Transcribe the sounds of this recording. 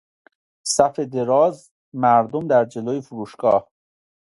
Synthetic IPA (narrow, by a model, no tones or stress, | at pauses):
sæfed̪e̞ɾɒːz | mæɾd̪omd̪æɾd͡ʒe̞loːjefuɾuːʃɡ̥ɒːh